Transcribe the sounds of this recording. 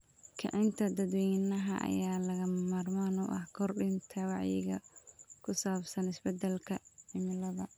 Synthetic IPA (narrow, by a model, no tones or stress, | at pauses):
kʰɐ̰ʕɪnt̪ʰɐd̪ɐd̪wɛjnɐɦɐʔɐ̰jaːlɐɣɐmaːrmaːnṵːʔɐhkʰɔrɖɪnt̪ʰɐwɑʕjɪ̰ɣɐ̰kʰʊsaːbsɐnɪsbɛd̪ɛlkʰɐʕɪmɪlɐðɐ